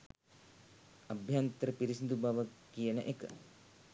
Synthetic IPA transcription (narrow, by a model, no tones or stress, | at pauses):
abʱjant̪əɾəpiɾisind̪ubaʋəkijənəʔekə̰